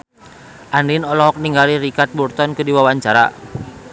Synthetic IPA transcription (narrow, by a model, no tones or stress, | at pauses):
ʔandinɔlɔɦɔk̚niŋɡaliɾikat̪̚burt̪ɔnkədiwawaɲt͡ʃaɾa̰